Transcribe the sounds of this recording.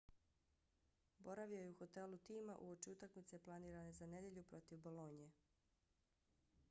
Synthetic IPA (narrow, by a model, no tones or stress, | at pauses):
bo̞ɾaʋio̞jeuxo̞t̪e̞lut̪iːmaʔuo̞t͡ʃiut̪akmit̪se̞plˠaniːɾane̞zane̞d̪je̞ʎupɾo̞t̪iʋboloɲije